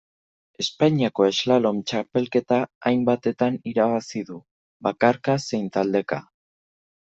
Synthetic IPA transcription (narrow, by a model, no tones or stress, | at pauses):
e̞spaɲiako̞e̞zlalo̞mt͡ʃape̞lke̞t̪aːjmbat̪e̞t̪aniɾaβasiðu | βakaɾkase̞jnt̪ald̪e̞ka̰